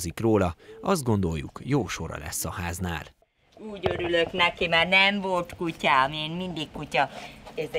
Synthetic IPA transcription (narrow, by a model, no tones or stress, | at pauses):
zikroːlɒɒzd̪ɡo̞nd̪o̞jːukjoːʃo̞ɾɒ̰lɛ̰sːɒhaːzna̰ːl | uːɟøɾyløknɛkimaːrnɛɱvo̞lt̪kucameːnmind̪ikkucɒɛz